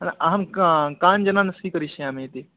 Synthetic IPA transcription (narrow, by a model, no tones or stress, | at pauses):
nʔɐɦɐmkaːnd͡ʒɐnãnɐsikəɾiʃiaːmẽt̪e